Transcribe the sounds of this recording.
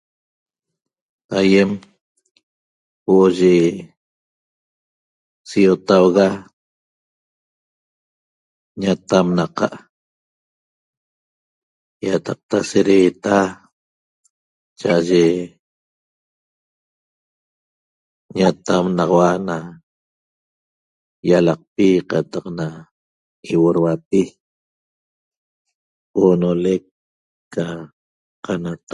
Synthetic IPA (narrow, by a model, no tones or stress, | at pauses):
ajem | woʔoʒe | sijot̪awɣa | ɲat̪amnaqɑ̰ʔ | jat̪ɑq̚t̪aseɾeːt̪a | t͡ʃaʔaʒe | ɲat̪amnɑʁɑwana | jalɑq̚piqɑt̪ɑqna | kiwoɾwapi | onolekː | a | qanat̪